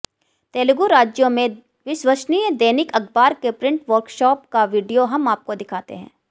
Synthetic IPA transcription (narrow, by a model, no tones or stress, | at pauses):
t̪eːlɡuɾaːd͡ʒjõmẽ | ʋɪʃwəʃniːjd̪eːnɪkɐɡʰbaːɾkepɾɪ̃ɳʈʋɐɾkʃɔːp̚kaʋiːɖijoɦɐmaːp̚kod̪ɪkʰaːt̪ḛɦɛ̰̃ː